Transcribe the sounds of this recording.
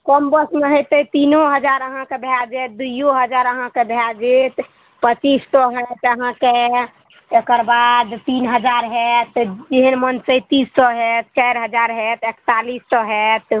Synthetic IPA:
kɔmbəsmeɦət̪əjt̪inoɦəd͡ʒaɾəɦãkebʱjad͡ʒet̪̚d̪ujoɦəd͡ʒaɾəɦãkebʱjad͡ʒet̪ | pət͡ʃissɔɦɛt̪əɦãke | ekəɾbad̪t̪inɦəd͡ʒaɾɦɛt̪d͡ʒeɦənmənsəjt̪issɔɦɛt̪̚t͡ʃajɾɦəd͡ʒaɾɦɛt̪ekt̪alisʈɔɦɛt̪

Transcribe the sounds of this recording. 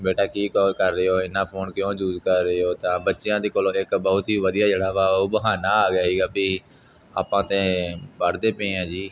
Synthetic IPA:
beːʈaːkiːkːlkəɾːəjoːɪnãːpʰoːnkjõːd͡ʒuːzkəɾːəjoːt̪ãːbətːʃɪjãːd̪eːkoːloːɪkbəɦʊt̪iːʋəd̪ɪjaːd͡ʒəɽaːʋaːoːbəɦaːnaːaːɡjaːɦiːɡaːbiː | a̰ːpãːt̪ẽːbəɽd̪eːpẽːãːd͡ʒiː

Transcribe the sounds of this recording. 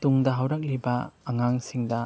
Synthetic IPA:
t̪uŋdɐɦɐwɾɐk̚libɐːŋaŋsiŋdɐ

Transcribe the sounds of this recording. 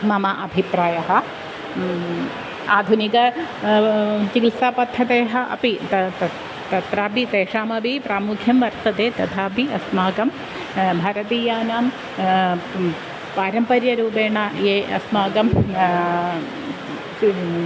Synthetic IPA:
mɐmɐʔɐbʱipɾaːjɐɦɐ̆ | aːd̪ʱunikɐ | t͡ʃikilsaːpɐt̪ʰːɐt̪eːɦɐʔɐ̰pit̪ɐt̪ɐ | t̪ɐt̪ɾaːbit̪eːʂaːmɐbipɾaːmukʰjɐmʋɐɾt̪ɐt̪eːt̪ɐt̪ʰaːpiɐsmaːɡɐm | bʱaːɾɐt̪iːjaːnaːm | paːɾɐmpɐɾjɐɾuːpeːɳaːjeːʔɐ̰smaːɡɐm

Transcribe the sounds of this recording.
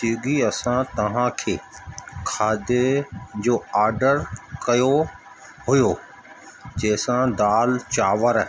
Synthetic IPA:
iɡiɐsãt̪ɐʋ̤ãkʰeːkʰaːd̪ed͡ʑoːaːɾɖəɾkɐjo | ɦʊjo | d͡ʑeːsãd̪aːlt͡ɕaːʋəɾ

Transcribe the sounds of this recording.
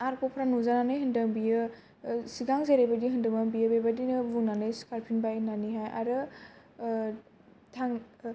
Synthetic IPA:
aɾkɔpʰɾanuzananɯjɦɯndɯŋbijɯ | siɡaŋzeɾebadiɦɯndɯŋaŋbijɯbebadinɯbuŋnanɯjsi̥kaɾpʰinbainaniɦaja̰ɾɯ | tʰaŋ

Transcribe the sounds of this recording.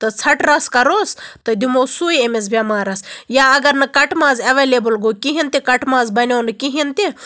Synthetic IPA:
t̪ɨt͡sʰɐʈɾɐskɐɾoːst̪ɐd̪ʲimoːsuːjemis̬bʲɐmaːɾɐsjaːɐɡɐɾnɐkɐʈmaːzɐʋelʲeːbɨlɡokiɦint̪ikɐʈmaːzbɐnʲoːnɨkiɦint̪i

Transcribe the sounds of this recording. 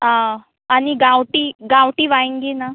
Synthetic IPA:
ɦã | aniɡãwʈiɡawʈiʋaĩŋɡena

